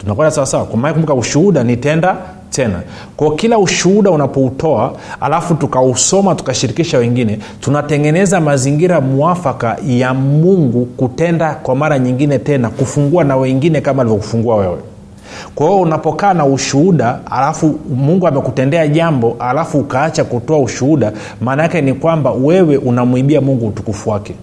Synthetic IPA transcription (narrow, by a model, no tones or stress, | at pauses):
tunakwɛndasawasawakwamaaakumbukauʃuhuɗanitɛnda | tɛna̰ | kwaɔkilauʃuhuɗaunapɔutɔaa̰lafutukausɔmatu̥kaʃiɾikiʃawɛŋɡinɛ | tunatɛŋɡɛnɛzamaziŋɡiɾamuafakajamuŋɡukutɛndakwamaɾaɲiŋɡinɛtɛnakufuŋɡuanawɛŋɡinɛkamalivɔku̥fuŋɡuawɛwɛ̰ | kwahiɔunapɔkaːnauʃuhuɗaa̰lafumuŋɡuamɛkutɛndɛaʄambɔhalafuːkaat͡ʃakutɔauʃuhuɗa | maːnajakɛnikwambawɛwɛʔunamuiɓiamuŋɡuːtukufuwakɛ